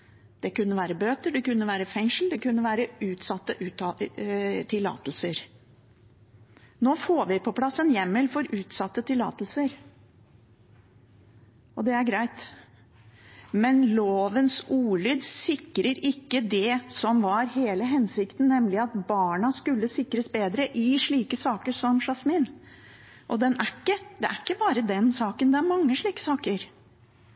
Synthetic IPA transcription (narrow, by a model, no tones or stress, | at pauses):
d̪̥ɛkʉnːəʋæːɾəbøːt̪əɖɛkʉnːəʋæːɾəfɛŋʂl̩d̪ɛkʉnːəʋæːɾəʉːt̪sɑt̪ːəʔʉːt̪ɑ | t̪ʰɪlːɑ̰ːt̪l̩səɾ | noːfoːʋɪpʰɔpʰlɑsːənjɛmːəlfɔɾʉːt̪sɑt̪ːət̪ɪlːɑ̰ːt̪lsəɾ | ɔd̪ɛæɾɡɾæɪt̪ | mɛnloːʋənsuːɭyːd̪sɪkːɾəɾɪkːəd̪ɛsɔmʋɑɾɦeːləɦɛnsɪkt̪n̩ːɛmːlɪɑt̪bɑːɳɑskʉlːəsɪkːɾəsbeːd̪ɾəʔɪʂɭiːkəsɑːkəʂɔmʂɑsmiːn | ʔɔd̪ɛnækːəd̪ɛʔæɾɪkːəbɑːɾəd̪ɛnsɑːkənd̪ɛæɾmɑŋːəʂɭiːkə̥sɑːkəɾ